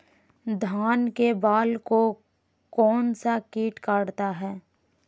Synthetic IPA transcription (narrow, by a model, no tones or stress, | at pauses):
d̪ʱaːnkebaːlko | kɔːnsakiːʈkaːɽt̪aɦɛː